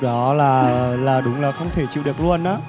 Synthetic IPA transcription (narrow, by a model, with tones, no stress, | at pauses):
ɗɔ˨˦laː˨˩laː˨˩ɗʊ˨˦ŋ͡mlaː˨˩xə˧wŋ͡mt̪ʰe˧˩t͡ɕḭ˧˨ɗɨ˨˩ək̚lu˧ənʔaː˨˦